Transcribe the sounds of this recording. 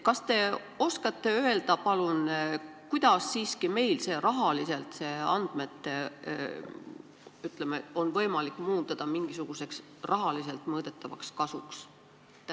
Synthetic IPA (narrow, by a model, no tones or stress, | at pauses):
kɑst̪e̞ | o̞skɑt̪ːˑe̞øe̞ld̪̥ɑpɑlun | kujd̪̥ɑsːiːskime̞jlse̞ːɾɑɦɑlise̞lt̪se̞ːɑnd̪̥me̞t̪ːˑe | yt̪ˑlemeo̞nvɤ̞jmɑlikːˑmuːt̪ːˑɑd̪̥ɑmiŋɡ̥isuɡ̥use̞ks | rʔɑɦɑlis̬e̞lt̪ˑmɤːd̪̥e̞t̪ːˑɑvɑ̰kskɑsuks